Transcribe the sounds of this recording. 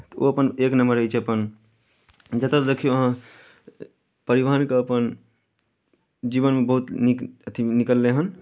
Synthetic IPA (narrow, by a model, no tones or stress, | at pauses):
t̪o̰əpəneknəməɾəɦit͡ʃʰeəpən | d͡ʒət̪ad̪ekʰijoəɦã | pəɾibəɦənkeəpən | d͡ʒiβənmebəɦut̪nikət̪ʰinikəlːeɦən